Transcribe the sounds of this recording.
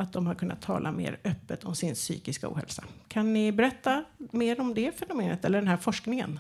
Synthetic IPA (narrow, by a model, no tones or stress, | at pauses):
ʔat̪̚d̪ɔmhaɾkʰɵnːʔa̰t̪ʰːɑ̰ːlʔa̰mḛːɾœpːət̪ʰɔmsɪnsy̰ːkɪskaṵːhɛ̰lsakʰanːɪbɛɾɛt̪ːameːɾɔmd̪ɛfɛnʊmeːnət̪ɛlːəɖɛnæɾfɔʂknɪŋə̰n